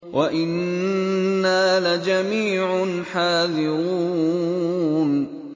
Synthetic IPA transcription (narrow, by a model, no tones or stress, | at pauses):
wʔaʔɪnː | aːlad͡ʒamiːʕʊnħaːðɪɾɾuː | n